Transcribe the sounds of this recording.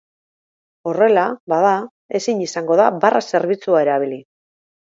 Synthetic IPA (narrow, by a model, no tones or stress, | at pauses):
o̞re̞laβaða | e̞siɲisaŋɡo̞ðaβarase̞ɾβit͡suaeɾaβ̞ili